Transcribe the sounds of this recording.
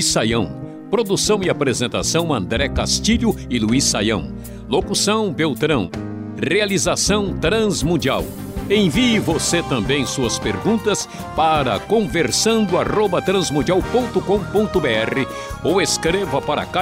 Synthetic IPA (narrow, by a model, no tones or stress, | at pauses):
sajɐ̃w̃ | pɾod̪usɐ̃w̃ɪapɾezẽnt̪a̰sɐ̃w̃ɐ̰̃nd̪ɾɛkast͡ʃiʎʊɪluisːajɐ̰̃w̃ | lokusɐ̃w̃bewt̪ɾɐ̃w̃ | realizasɐ̃w̃t̪ɾɐ̃zmũnd͡ʒia̰w | ẽj̃viɪvoset̪ɐ̃mbẽj̃suɐspeɾɡũnt̪ɐs | paɾɐ̰kõveɾsɐ̃nd̪ʊarobɐt̪ɾɐ̃zmũnd͡ʒiawpõnt̪ʊkõw̃põnt̪ʊbeɛʁɪ | oweskɾevɐpaɾɐ̰ka